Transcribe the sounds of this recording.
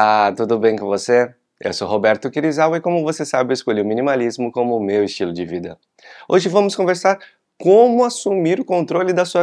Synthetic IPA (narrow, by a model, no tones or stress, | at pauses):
at̪ud̪ʊbẽj̃kõvose | ɛ̰soɦobɛɾt̪ʊkiɾizawɪkõmʊvosesabɪwɪskoʎeʊmĩnimalizmʊkõmʊmewɪst͡ʃilʊd͡ʒɪvid̪ɐ̰ | oʒɪvɐ̃mʊskõveɾsaɾ | kõmʊasumiɾʊkõnt̪ɾolɪd̪ɐsuɐ